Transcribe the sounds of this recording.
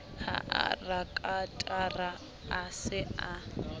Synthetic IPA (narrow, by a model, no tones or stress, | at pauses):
ha̰ʔa̰rakʼatʼaraː | sɪa